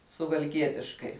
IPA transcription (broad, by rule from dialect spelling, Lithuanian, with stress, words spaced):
sʊʋɐlʲˈkʲiɛtʲɪʃkɐɪ